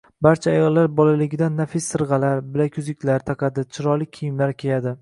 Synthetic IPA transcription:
baɾt͡ʃʰaːjɒlˠːaɾbɒlalɪɡʲɪd̪anːafɪsːɨɾʁɑlaɾbɪlakʲʰʊzɪkʲʰlaɾt̪ʰaqʰɑd̪ɪt͡ʃʰɪɾɒlˠɪkʲʰijɪmlaɾkʲʰejad̪ɪ

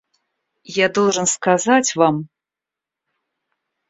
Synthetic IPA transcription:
jad̪ɔwʐənskazat͡sʲvam

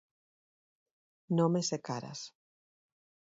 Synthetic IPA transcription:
nomesekaɾa̰s

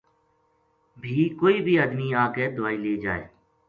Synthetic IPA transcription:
bʱiːkoːiːbʱiːəd̪miːãːkeːd̪ʊaːiːleːd͡ʒa̰ːḛː

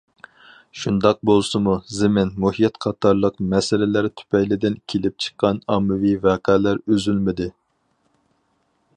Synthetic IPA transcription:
ʃund̪ɑq̚bolˠsɨmuzɪmɪnmohijɛt̪qʰɑt̪ʰɑɾlˠəqmɛsɪlɪlæɾt̪ʰy̥pɛjlɪd̪ɪnkʲʰelɪp̚t͡ʃʰə̥qːɑnɑmːɪvivæːqʰɛːlæɾøzylmɪd̪ɪ

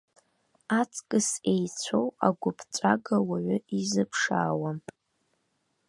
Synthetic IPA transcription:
at͡sʰʼkʼɨsejt͡sʷʰowa̰ɡʷʊpʰt͡ʃʷʼaɡawaʕʷʊizɨpʰʂa̰ːwamʼ

